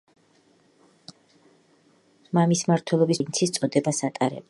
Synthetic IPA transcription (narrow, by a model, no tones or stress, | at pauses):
mamismaɾt̪ʰwɛlˠɔbisnt̪sʰist̪sʼɔd̪ɛbasat̪ʼaɾɛ̰b